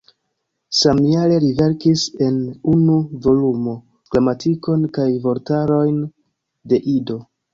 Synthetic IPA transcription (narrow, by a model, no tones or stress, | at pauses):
samiale̞ɾive̞ɾkise̞nunuvo̞lumo̞ | klamatʰiko̞nkajvo̞ɾtaɾo̞jn | de̞ʔido̞